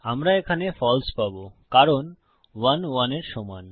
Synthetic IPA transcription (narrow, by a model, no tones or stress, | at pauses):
amɾaekʰanefɔlspabokaɾon | wanwaneɾʃɔman